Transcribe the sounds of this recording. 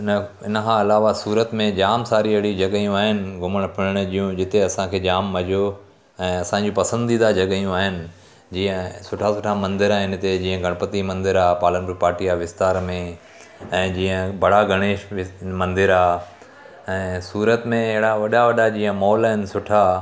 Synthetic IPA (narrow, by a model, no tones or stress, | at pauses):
n | ɪnəkʰãɪlaːʋasuːɾət̪mẽd͡ʑaːmsaːɾiɐɦɪɽid͡ʑɐɠijũaːɦɪnɪ̆ɡʱʊməɽ̃pʰɪɽəɽ̃d͡ʑijũd͡ʑɪt̪eɐsãkʰeːd͡ʑaːmːɐd͡ʑʱo | ɛ̃ːɐsãɲd͡ʑopɐsə̃nd̪iːd̪ad͡ʑɐɠjũaːɦɪnɪ̆ | d͡ʑiːə̃sʊʈʰasʊʈʰamɐ̃nd̪ɪɾaɪnɪ̆t̪ed͡ʑiːə̃ɡʱɐɽ̃pət̪imɐ̃nd̪ɪɾaːpaːlənpɾpaːɾʈijaʋɪst̪aːɾmẽ | ɛ̃ːd͡ʑiːə̃bɐɽ̤aɡʱɐɽ̃eːʃɪmɐ̃nd̪ɪɾaː | ɛ̃ːsuːɾət̪mẽɪɦɪɽaʋɐɗaʋɐɗad͡ʑiːə̃mɔːlaːɦɪnɪ̆sʊʈʰa